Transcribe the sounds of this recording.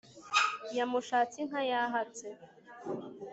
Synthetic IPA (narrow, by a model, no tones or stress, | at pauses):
jamuʃaːt͡siŋ̥hajaɦat͡se